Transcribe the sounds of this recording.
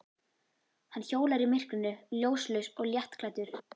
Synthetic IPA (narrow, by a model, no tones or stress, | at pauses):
hanːçoːwlaɾimɪr̥knʏnːʏljoːwslʏsɔɣljɛht̪klajt̪ʏɾ̥